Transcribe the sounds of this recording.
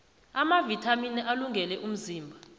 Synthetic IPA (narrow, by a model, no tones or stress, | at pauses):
amavitʰaminɛʔaluŋɡʱɛlɛʔum̩ziːmbʱa